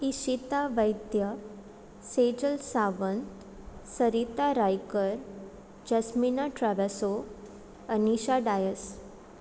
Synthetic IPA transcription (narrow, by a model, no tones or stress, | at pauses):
iɕit̪aʋəjt̪jə | sed͡ʑəlsaʋən | səɾit̪aɾajkəɾ | d͡ʑəsminaʈɾaʋaso | əniɕaɖajəs